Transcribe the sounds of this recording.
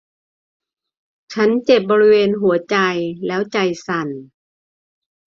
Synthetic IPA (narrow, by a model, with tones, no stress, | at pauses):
t͡ɕʰa˦˥nt͡ɕe˨˩p̚bɔː˧ɾi˦˥weː˧nɦu˨˩˦ɐt͡ɕa˧jlɛː˦˥wt͡ɕa˧jsa˧˩n